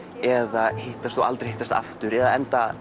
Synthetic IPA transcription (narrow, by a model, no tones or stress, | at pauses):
ɛðaheht̪ast̪θua̰lt̪ɾeɾjheht̪ast̪a̰ft̪ʏɾɛðaðɛnt̪a